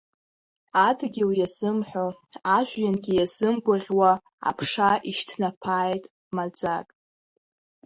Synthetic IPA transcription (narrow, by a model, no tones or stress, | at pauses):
adʰɡʲiwjazɨmħʷoaʒʷᶣjanɡʲijazɨmɡʷʼʊrʲwa | a̰pʰʂaiʃtʰnapʰaːjtʼ | mad͡zakʼ